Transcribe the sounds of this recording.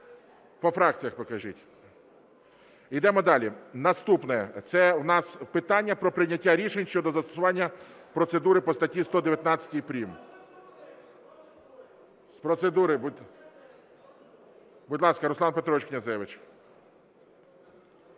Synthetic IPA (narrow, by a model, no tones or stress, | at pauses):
pɔfɾɑk̚t͡sʲijɐxpɔkɐʒɪtʲ | id̪ɛmɔd̪ɑlʲinɐst̪upnɛɛt̪sɛwnɑspɪt̪ɑnʲːɐpɾɔpɾɪnʲɐtʲːaɾʲiʃenʲʃt͡ʃɔd̪ɔzɐst̪ɔ̥sʊʋɑnʲːɐpɾɔt̪sed̪uɾɪpɔst̪ɐtʲist̪ɔd̪eʋjɐt̪nɑt͡sʲɐ̥tʲijpɾʲim | spɾɔt̪sed̪uɾɪbu | bʊdʲlˠɑskɐɾʊslˠɑnpet̪ɾɔit͡ʃʲknʲɐzɛʋɪt͡ʃ